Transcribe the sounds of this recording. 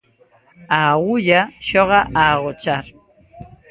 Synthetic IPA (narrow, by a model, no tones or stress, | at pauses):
awʊʎaʃoɢɑʔaːɢot͡ʃaɾ